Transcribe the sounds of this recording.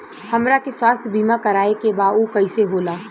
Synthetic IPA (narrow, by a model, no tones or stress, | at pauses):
hɐmɾakeswaːst̪ʰbiːmakɐɾaːekebaːukɐiseɦoːlaː